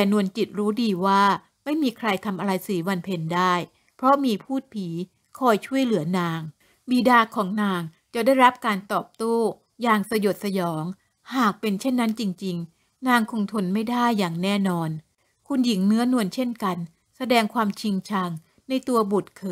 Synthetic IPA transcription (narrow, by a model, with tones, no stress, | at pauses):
t̪ɛː˨˩nu˧ənt͡ɕi˨˩t̪̚ɾuː˦˥diː˧waː˥˩ | ma˥˩jmiː˧kʰɾa˧jt̪ʰa˧mʔa˧ɾa˧jsiː˨˩˦wa˧npʰe˧ndaː˥˩j | pʰɾɔ˦˥miː˧pʰuː˥˩t̪̚pʰiː˩˦ | kʰɔː˧jt͡ɕʰu˥˩əjlɯ˨˩˦ɐnaː˧ŋ | biː˧daː˧kʰɔː˩˦ŋnaː˧ŋ | t͡ɕa˨˩da˥˩jɾa˦˥p̚kaː˧nt̪ɔː˨˩p̚t̪oː˥˩ | jaː˧˩ŋsa˧jo˨˩t̪̚sa˧jɔː˩˦ŋ | haː˨˩k̚pe˧nt͡ɕʰe˥˩nːa˦˥nt͡ɕi˧ŋt͡ɕi˧ŋ | naː˧ŋkʰo˧ŋt̪ʰo˧nma˥˩jdaː˥˩jːaː˨˩ŋnɛː˥˩nɔː˧n | kʰu˧nji˩˦ŋnɯ˦˥ɐnu˧ənt͡ɕʰe˥˩nka˧n | sa˧dɛː˧ŋkʰwaː˧mt͡ɕʰi˧ŋt͡ɕʰa˧ŋ | na˧jt̪u˧ɐbu˨˩t̪̚kʰɤː˨˧˩